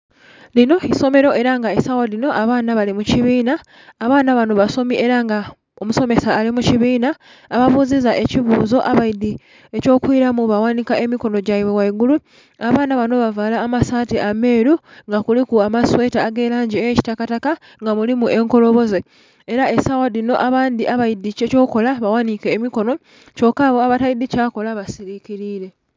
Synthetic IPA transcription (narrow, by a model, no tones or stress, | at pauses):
lino̞iso̞me̞ɾo̞ʔe̞ɾaŋɡaesawolino̞ʔaβaːnaβalimuciβiːnaː | βaːnaβano̞βaso̞miʔe̞ɾaŋɡa | omuso̞me̞saːlimuciβiːnaː | βaβuzizaʔe̞ciβuːzo̞ʔaβaidi | e̞co̞ːkwiɾamuβawanikae̞miko̞no̞ɟaiβewaiɡulu | aβaːnaβano̞βavalaːmasaːtiʔame̞ːɾuŋɡakulikuamaswe̞ːtaːɡe̞ːlaːɲɟieci̥takataka | ŋɡamulimuʔe̞ŋko̞lo̞βo̞ze | eɾae̞sawadino̞ʔaβaːndiʔaβaidːieco̞ːko̞laβawanikeːmiko̞no̞ | t͡ʃo̞kaːβo̞aβataidicako̞laβasiɾikiɾiːɾe̞